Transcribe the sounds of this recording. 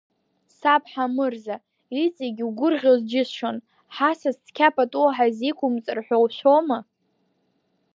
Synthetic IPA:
sapʰʼħamɨrza | it͡sʼiɡʲwɡʷʊrʁʲozd͡ʒɪsʃon | ħasazt͡skʲʰapʰʼatʼuaħazikʷʰʊmt͡sʼɨrħʷᶣowʃʷᶣoma

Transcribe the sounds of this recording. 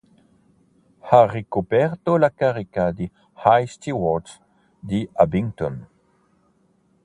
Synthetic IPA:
haʁekupɛɾt̪olakaʁikad̪i | hajst̪iwɔts | d̪iabiŋt̪on

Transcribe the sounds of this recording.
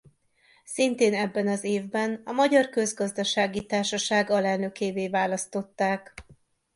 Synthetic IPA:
sint̪eːnɛbːɛnɒzeːvbɛnɒmɒɟɒrkø̞zɡɒzd̪ɒʃaːɡit̪aːrʃɒʃaːɡɒlɛlnø̞keːveːvaːlɒst̪o̞t̪ːaːk

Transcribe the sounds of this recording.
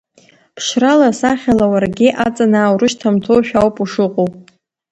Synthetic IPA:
pʰʂralasaχʲalawarɡʲɪʔat͡sʼanaːwɾɨʃtʰamtʰowʃᶣawpʼuʂɨqʼowpʼ

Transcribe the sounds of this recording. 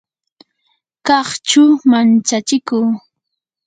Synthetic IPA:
kɑχt͡ʃʊmant͡ʃat͡ʃɪkuː

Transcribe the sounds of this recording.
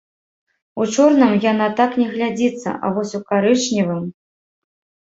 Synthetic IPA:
ut͡ʂɔrnɐmjan̪at̪aknʲɛɣlʲad͡zʲit̪sːɐ̰ʔa̰vɔsʲukaɾɨt͡ʂnʲivɨm

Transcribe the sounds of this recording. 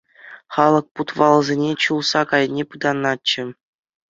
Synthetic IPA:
χɑlˠɤ̆k̚put̪ʋɑlˠɤzʲenʲet͡ɕulˠsɑkɑjnʲepɯd̪ɑnːɑt͡ɕːɘ̆

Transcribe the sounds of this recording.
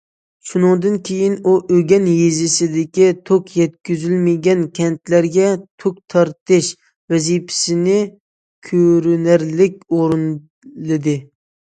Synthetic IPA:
ʃunɨŋd̪ɨnkʲʰejinuʔøɡʲɛnjezɪsɪd̪ɪkʲit̪ʰokjɛt̪̚kʲyzylmɪɡʲɛnkʲʰɛnt̪læɾɡʲɛt̪ʰok̚t̪ʰɑɾt̪ʰɨʃ | vɛzipʰɪ̥sɪnɪ | kʲʰøɾynæɾlɪk̚ʲoɾɨn | lɨd̪ɨ

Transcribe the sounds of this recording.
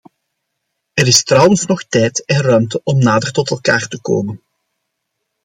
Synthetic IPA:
əɾɪstrʌwənsnɔxtɛjtɛnrœɥmtəʔɔmnaːdərtɔtɛlˠkaːrtəko̰ːmən

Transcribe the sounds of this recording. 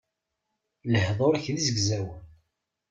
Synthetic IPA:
ləhðˤoɾçðizəɡzæwən

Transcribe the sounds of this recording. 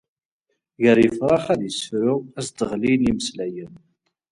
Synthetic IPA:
ʝəɾjəfɾˤɑχæðjəsəfɾʊæsd̪əʁliliməslæjən

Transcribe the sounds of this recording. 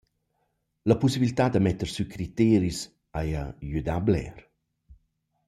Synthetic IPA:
ləpusibilit̪ad̪əmɛt̪əɾsykʰɾit̪eɾis | aja̰jyd̪ablɛ̰ɾ

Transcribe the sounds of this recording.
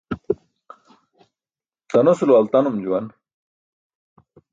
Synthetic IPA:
t̪ɐnosuluɐlt̪ɐnumd͡ʑuwɐn

